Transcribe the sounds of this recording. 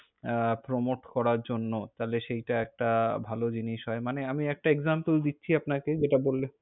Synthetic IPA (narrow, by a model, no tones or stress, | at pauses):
pɾomoʈkɔɾaɾd͡ʑonːot̪aleʃejʈaɛk̚ʈabʱalod͡ʑiniʃɦɔemaneamiɛk̚ʈaeɡzampəld̪itːɕʰiapnaked͡ʑeʈabolːe